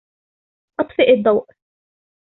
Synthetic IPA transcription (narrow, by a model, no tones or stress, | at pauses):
ʔɑt̪ˤfɪʔɪd̪ˤːɑwʔ